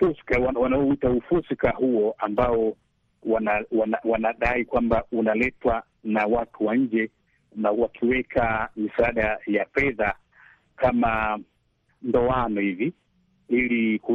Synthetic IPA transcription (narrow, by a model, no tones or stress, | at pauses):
fusi̥kawawanaɔitaufusikahuɔʔambaɔ | wanawanawanaɗaikwambaunalɛtwa | nawatuwaɲ̩d͡ʒɛ | nawakʰiwɛkʰamisaaɗajafɛða | kʰama | ndɔanɔhivi | iliku